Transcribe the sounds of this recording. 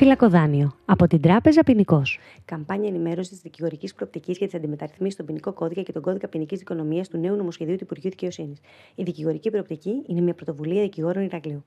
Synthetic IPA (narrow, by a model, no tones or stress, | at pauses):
filɐko̞ðɐnio̞ɐpo̞t̪ind̪ɾɐpe̞zɐpiniko̞s | kɐmpɐɲɐenime̞ɾo̞sit̪izðiciɣo̞ɾicispɾo̞op̚t̪iciscɐt̪isɐnd̪ime̞t̪ɐɾiθmisist̪obiniko̞ko̞ðikɐce̞t̪oɡo̞ðikɐpinicizðiko̞no̞miɐst̪une̞uno̞mo̞sce̞ðiut̪uipuɾʝiuðice̞o̞sinis | iðiciɣo̞ɾicipɾop̚t̪iciine̞mɲɐpɾot̪ovuliɐðiciɣo̞ɾo̞niɾɐɣliu